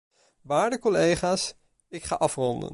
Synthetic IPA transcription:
ʋaːɹdəkɔlejχaːs | ɪkχaːʔɑfrɔndə̰n

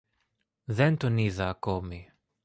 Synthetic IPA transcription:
ðent̪oniðɐːkomi

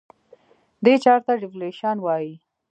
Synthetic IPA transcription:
d̪et͡ʃɑɾt̪aɖɪfleʃɑnwɑji

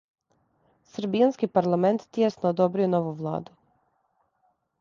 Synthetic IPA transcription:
sɾbianskipaɾlˠame̞nt̪ːjesnoːd̪obɾijonoʋuʋlˠa̰ːd̪u

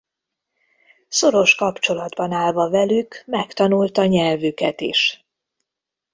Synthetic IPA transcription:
so̞ɾo̞ʃkɒpt͡ʃo̞lɒd̪bɒnaːlvɒvɛlykmɛkt̪ɒnult̪ɒɲɛlvykɛt̪ḭʃ

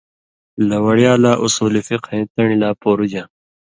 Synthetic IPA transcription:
lɐwɐɽjaːlaːʔusuːlifiqʰɐ̃ĩːt̪ɐɳilaːpoːɾud͡ʑã

